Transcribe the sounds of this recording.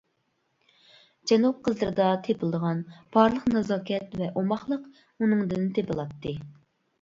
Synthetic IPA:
d͡ʒɛnup̚qʰəzlˠəɾɨd̪ɑt̪ʰepɨlˠd̪əʁɑnpʰɑɾlˠəqnɑzɑːkʲɛt̪vɛʔomɑχlˠəq | unɨŋd̪ɨnt̪ʰepɨlˠɑt̪ʰːɨ

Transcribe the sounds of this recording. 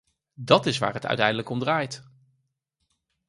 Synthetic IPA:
dɑtɪsʋa̰ːɹɦətœ̰ɥtɛjndələkɔmdraːjt

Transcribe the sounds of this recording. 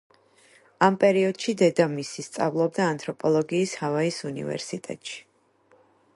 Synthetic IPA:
ampʼɛɾiɔd̪̥ʃid̪ɛd̪amisist̪sʼa̰vlˠɔbd̪aːnt̪ʰʼɾɔpʼɔlˠɔɡiːshavaisunḭvɛ̰ɾsit̪ʼɛ̰t̪ʼʃi̥

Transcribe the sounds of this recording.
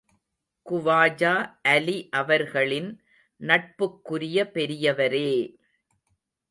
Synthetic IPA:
kʊʋaːd͡ʒaːʔɐliʔɐʋɐɾɣɐɭɪn | nɐʈ̚pɯkːʊɾɪjɐpɛɾɪjɐʋɐɾeː

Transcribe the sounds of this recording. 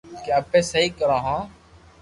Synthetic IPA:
kaəpẽːsəɦikəɾãːɦãː

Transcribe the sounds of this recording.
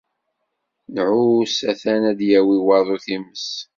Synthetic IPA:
nʕusæθænæd̪jæwiwɑðˤuθiməs

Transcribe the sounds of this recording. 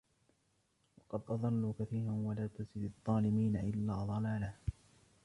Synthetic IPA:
wɑqɑd̪ʔɑðˤɑlːukaθiːɾanwalaːt̪azɪd̪ɑd̪ˤːɑːlɪmiːnaʔɪlːaːðˤɑlaːlaː

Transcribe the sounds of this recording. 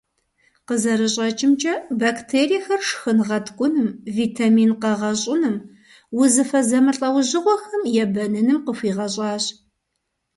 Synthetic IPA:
qəzɐɾɨɕʼɐt͡ʃʼɪmt͡ʃʼɐbaːktʰeːɾixɐrʂxɨnʁɐtʰkʷʼʊnɨmviːtʰamiːnqɐʁɐɕʼɪnɨm | wʊzɨfɐzɐmɨɬʼɐwʑɪʁʷɔxɐmjɛbɐnɨnɨmqəfiːʁɐɕʼɑːɕ

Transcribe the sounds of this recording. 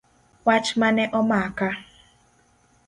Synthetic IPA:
wat͡ʃmanɛʔɔmaaka

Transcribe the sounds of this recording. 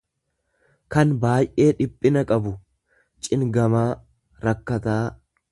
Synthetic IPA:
kɐnbaːjʔe̞ːᶑɪpʼːɪnɐkʼɐbʊ | t͡ʃʼɪŋɡɐmaː | ɾɐkːɐt̪aː

